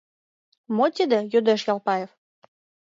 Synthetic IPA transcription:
mot̪ʲid̪ĕjød̪eʃjɑlˠpɑjef

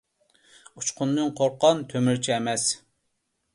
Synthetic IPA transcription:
ut͡ʃqʰʊnd̪ɨnqʰoɾqɑnt̪ʰømyɾt͡ʃʰiɛmɛs

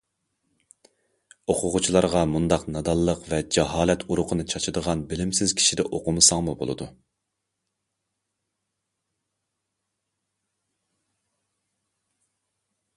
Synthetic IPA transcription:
oqʰʊʁʊt͡ʃʰilˠɑɾʁɑmund̪ɑqnɑd̪ɑlˠːəqvɛd͡ʒɑɦɑːlɛt̪ʰuɾʊqʰənɨt͡ʃʰɑt͡ʃʰɨd̪əʁɑnbɪlɪmsɪz̥kʲʰi̥ʃid̪ɛʔoqʰʊmɨsɑŋmubo̰lˠɨ̰d̪u

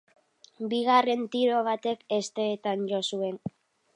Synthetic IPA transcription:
biɣare̞nt̪iɾo̞β̞at̪e̞kest̪e̞ːt̪anʝo̞sue̞n

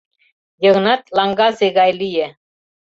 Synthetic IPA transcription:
jɤ̆ʁnɑt̪lɑŋɡɑzeɣɑjlije

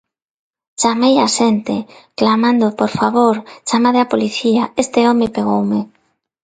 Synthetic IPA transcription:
t͡ʃamejaʃent̪ɪ̰klamãnd̪opoɾfaβoɾt͡ʃamaðeapoliθiaest̪ɪomɪpeɣ̞owmɪ

